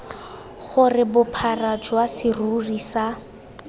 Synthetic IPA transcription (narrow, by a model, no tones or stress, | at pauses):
χʊrɪbʊpʰarad͡ʒwasɪrurisa